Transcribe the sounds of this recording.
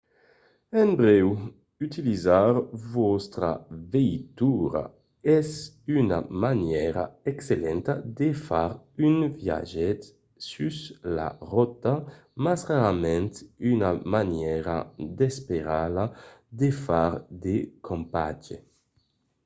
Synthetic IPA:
ɛmbɾɛw | yt̪ilizaɾvost̪ɾa̰vejt̪uɾa̰ | ɛz | yna̰manjɛɾa̰ɛkselɛnt̪ad̪efaɾynvja̰ʒɛt̪ | sysla̰rɔt̪a | masʁaɾamɛnt̪ynamanjɛɾa̰d̪espeɾad̪ad̪efaɾd̪ekʰompa̰d͡ʒḛ

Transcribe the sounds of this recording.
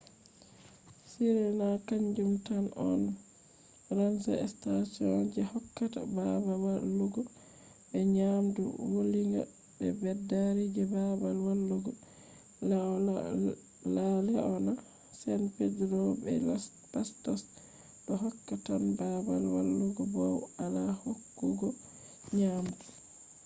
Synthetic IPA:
siɾɛnakaɲd͡ʒumtanɔ̰n | ɾansa̰ɛ̰stasiɔnd͡ʒɛhɔkːata̰babawalːuɡɔ | bɛɲamdṵwoliŋɡa̰ | bɛbɛdːaɾid͡ʒɛbabalwalːuɡɔ | la | lalɛɔna | sɛnpedɾɔbɛ̰ | pastɔs | ɗɔhɔkːatanbabalwa̰lːuɡɔbɔwalahokːuɡɔ | ɲamdu

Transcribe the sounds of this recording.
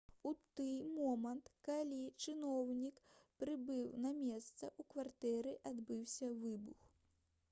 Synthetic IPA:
ut̪ɨjmɔmɐnt̪kalʲit͡ʂɨnɔwnʲikpɾɨbɨwnɐmʲɛst̪sɐʔukvart̪ɛɾɨʔad̪bɨwsʲɐvɨbux

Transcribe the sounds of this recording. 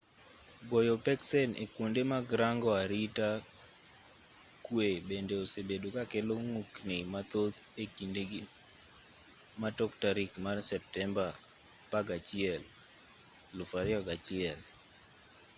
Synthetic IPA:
ɡɔjopɛksɛnḛkwondemaɡɾaŋɡɔaɾita | kwebendeosebedokakeloŋuknimat̪ot̪ | ekindeɡ | matɔktaɾikmarsɛp̚tɛmba | paɡat͡ʃɪɛl | lʊfaɾɪɔɡat͡ʃɪɛl

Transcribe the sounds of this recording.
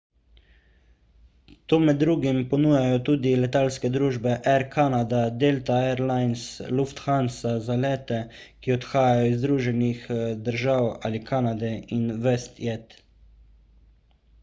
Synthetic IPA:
t̪oːmɛd̪ːɾuːɡimpɔnuːjajɔt̪uːd̪ilɛt̪aːlskɛd̪ɾuːʒbɛʔɛɾkʰanad̪ad̪elt̪aɛɾlajnsluft̪xansazalɛːt̪ɛ | kiɔt̪xaːjajɔizd̪ɾuːʒɛnixd̪əɾʒawa̰likʰaːnad̪ɛinʋɛst̪jɛt̪

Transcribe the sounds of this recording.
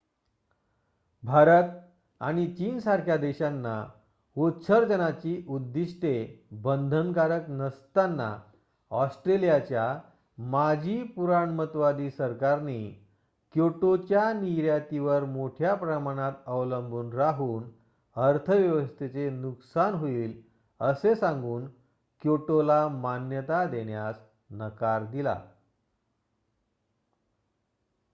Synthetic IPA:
bʱaɾət̪ | a̰ɽ̃it͡ɕiːnsaɾkʰjad̪eɕanːa̰ | otɕʰəɾd͡ʑənat͡ɕiːʔud̪ːiɕʈebənd̪ʱəŋkaɾəknəst̪anːa̰ | ɔsʈɾelijat͡ɕja | mad͡ʑʱiːpuɾaɳmət̪ʋad̪iːsəɾkaɾni | kjoʈot͡ɕjaniɾjat̪iʋəɾmoʈʰjapɾəmaɽ̃at̪əʋləmbʱuːnɾaɦuːn | əɾt̪ʰəʋjəʋəst̪ʰet͡senuksanɦoiːl | əsesãŋɡuːn | kjoʈolamanjət̪ad̪eɳjas | nəkaɾd̪ila̰

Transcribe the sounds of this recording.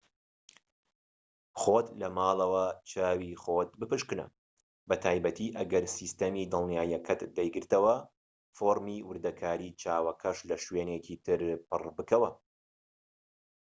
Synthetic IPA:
χoːt̪lɐmaːlˠɐwɐt͡ʃʰaːwiχoːt̪̚bɨpɨʃkɨnɐ̰ | bɐt̪ʰaːjbɐt̪ʰiːʔɐɡɐɾsiːst̪ɐmiːd̪ɨlˠnjaːjɐkʰɐt̪d̪ɐjɡɨɾt̪ɐwɐ | foːɾmiːwɨɾd̪ɐkʰaːɾiːt͡ʃʰaːwɐkʰɐʃlɐʃweːnekiːt̪ʰɨɾpɨrbɨkɐwɐ

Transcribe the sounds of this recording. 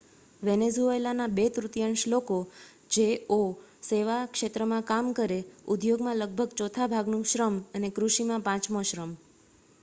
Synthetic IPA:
ʋɛnezuelanabet̪ɾut̪jəɳʃloko | d͡ʒeoseʋakʃet̪ɾəmãkamkəɾeud̪joɡmãləɡ̚bʱəɡt͡ʃɔt̪ʰabʱaɡnũʃɾəmənekɾuʃimãpãt͡ʃmoʃɾəm

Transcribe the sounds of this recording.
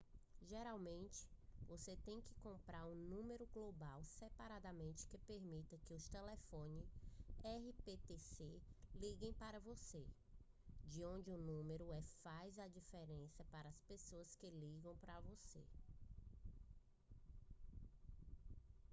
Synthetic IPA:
ʒeɾawmẽnt͡ʃɪ̥voset̪ẽj̃kɪkõmpɾaɾũnũmeɾʊɡlobawsepaɾad̪ɐmẽnt͡ʃɪ̥kɪpeɾmit̪ɐkɪʊst̪elefõnɪɛɦipet̪eseliɡẽj̃paɾɐvose | d͡ʒɪõnd͡ʒɪʊnũmeɾʊɛfajzɐd͡ʒifeɾẽsɐpaɾɐɐspesoɐskɪliɡɐ̃w̃pɾɐvosḛ

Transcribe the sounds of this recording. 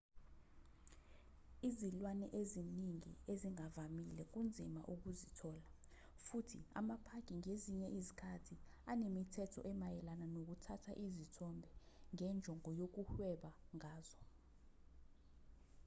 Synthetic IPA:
izilwanɛʔeziniŋḭeziŋavamilɛk̬und͡zʱima̰ʔuk̬uzitʰɔːla | futʰḭa̰mapʰakʼiŋeziɲɛʔizikʰatʰi | anemitʰɛtʰɔ̰ʔɛmajɛlananok̬utʰatʰa̰ʔizitʰɔmbʱɛ | ŋɛnd͡ʒʱɔŋɔjok̬uhwɛɓaŋaːzɔ

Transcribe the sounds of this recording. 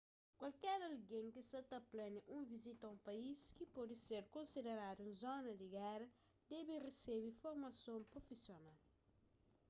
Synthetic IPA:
kwalkɛɾɐlɡẽŋkisɐt̪ɐplɛniʔũŋvizit̪ɐũmpaiskipɔd̪iseɾkõnsid̪eɾad̪uĩnzɔnɐd̪iɡɛɾɐ | d̪ɛbiresebifoɾmɐsõmpɾofisjonal

